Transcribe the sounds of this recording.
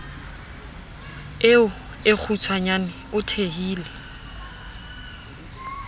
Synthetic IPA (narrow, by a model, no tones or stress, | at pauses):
ɪʊ | ɪk͡xʰut͡sʰwaɲanɪ | ʊtʰeɦiːle